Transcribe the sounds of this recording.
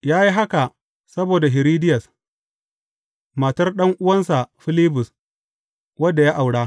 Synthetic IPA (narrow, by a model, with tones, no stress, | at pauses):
jaː˦ji˦ɦa˦ka˨ | sɐ˦boː˨da˨ɦɪ˨ɾiː˦dɪ˦jɐ˨s | maː˨tɐ˦rɗɐ˦ŋʔʊ˦wɐ˦nsa˨ɸɪ˦liː˦bʊ˨s | wɐ˦dːa˨jaː˦ʔa˨wɽaː˦